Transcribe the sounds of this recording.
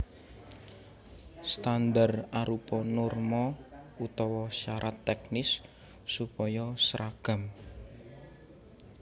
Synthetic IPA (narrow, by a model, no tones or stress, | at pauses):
st̪and̪araɾupɔnʊrmɔut̪ɔwɔʃaɾʔat̪ːɛknɪsː | upɔjɔsɾaɡ̥a̤m